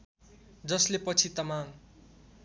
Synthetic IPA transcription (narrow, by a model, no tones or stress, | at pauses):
d͡zʌslepʌt͡sʰit̪ʌmaŋ